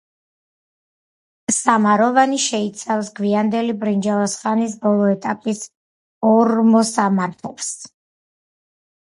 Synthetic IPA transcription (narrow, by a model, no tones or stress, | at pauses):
samaɾɔvaniʃɛit̪sʰafsɡwiand̪ɛlibɾind͡ʒavasχanisbɔlˠɔɛt̪ʼapʼis | ɔɾmɔsamaɾt̪ʰɔps